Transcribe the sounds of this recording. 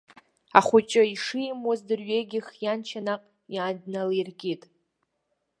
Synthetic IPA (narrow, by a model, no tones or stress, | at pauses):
aχʷʊt͡ʃʼɪiʂɨjmwazdɨrɥeɡʲɪχjant͡ʃʰanaqʼ | jaːdnalijrɡʲʼitʼ